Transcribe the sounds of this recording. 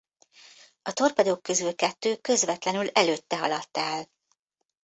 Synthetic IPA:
ɒt̪o̞rpɛd̪oːkːø̞zylkɛt̪ːøːkø̞zvɛt̪lɛnylɛløːt̪ːɛɦɒlɒt̪ːɛl

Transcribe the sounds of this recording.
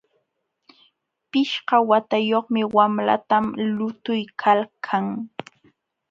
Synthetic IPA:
pɪʃɢɑwat̪ajoχmɪwamla̰t̪amlʊt̪ʊjkʰalkʰaŋ

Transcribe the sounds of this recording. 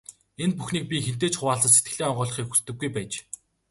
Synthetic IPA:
enpuxniːk̚pʲixen̥t̪eːt͡ɕχʊwaːɮtə̆se̥t̪̚ɡɘ̆ɮeːɔɴɢɔːɮɞ̆χiːkxu̥st̪ɘ̆ɡːujpæːt͡ɕ

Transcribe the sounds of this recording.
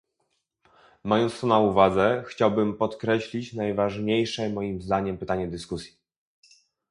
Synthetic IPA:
majɔnt̪st̪ɔnauvad̪zɛxt͡ɕawbɘmpɔt̪kɾɛɕlʲit͡ɕnajvaʐɲejʂɛmɔjimzd̪aɲɛmpɘt̪aɲɛd̪ɘskusʲji̥

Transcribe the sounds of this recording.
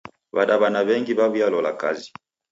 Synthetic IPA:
βaɗaβanaβɛŋɡiβaβujalɔla̰ka̰zi̥

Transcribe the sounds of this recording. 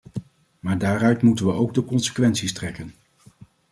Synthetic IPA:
maːɹdaːrœɥtmutənʋəowɡ̚dəkɔnsə̥kʋɛntsistrɛkən

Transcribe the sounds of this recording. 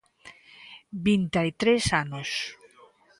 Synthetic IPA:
bint̪ajt̪ɾesanos

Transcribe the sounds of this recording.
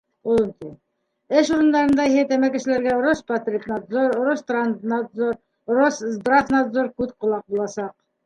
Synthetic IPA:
ul̆ˠmt̪i | ɘʃuɾɤ̆nd̪ɑɾɤ̆nd̪ɑiɦet̪æmækɘ̆ʃɘ̆læɾɡæɾospat̪rʲipnat̪zoɾɾost̪ranznat̪zoɾ | roszd̪rafnad̪zoɾkʉðqŏlˠɑq̚bulˠɑsɑq̚

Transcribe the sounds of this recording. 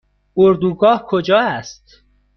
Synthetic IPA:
oɾd̪uːɡɒːhkʰod͡ʒɒːæst̪

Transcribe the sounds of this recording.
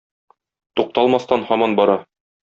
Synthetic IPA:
t̪uq̚t̪ɑlˠmɑst̪ɑnhɒmɑnbɒɾɑ

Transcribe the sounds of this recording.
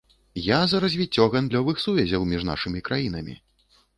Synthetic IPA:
jazɐɾɐzʲvʲit͡sʲːɔɣand̪lʲɔvɨxsuvʲɛzʲɐwmʲiʐna̰ʂɨmʲikɾajin̪ɐmʲḭ

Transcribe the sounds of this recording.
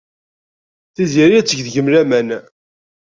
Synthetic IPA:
θiziɾijæt͡sːəʝðʝəmlæmæn

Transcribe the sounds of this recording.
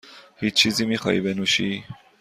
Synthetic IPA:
hit͡ʃizimiχɑ̰ḭbenuʃi

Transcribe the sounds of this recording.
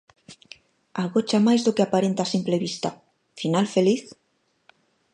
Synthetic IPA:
aɣot͡ʃamajzðokeapaɾent̪asimpleβist̪a̰ | finalfeliθ

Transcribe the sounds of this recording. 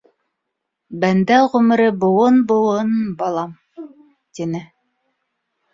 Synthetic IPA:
bænd̪æʁɵmɘ̆ɾɘbŏwɤnbŏwɤnbɑlˠɑm | t̪inɘ

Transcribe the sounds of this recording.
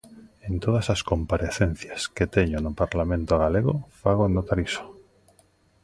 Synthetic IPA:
ent̪oð̞asaskompaɾeθen̟θjasket̪eɲonopaɾlamẽnt̪oɣ̞aleɣo̰faɣ̞onot̪aɾiso̥

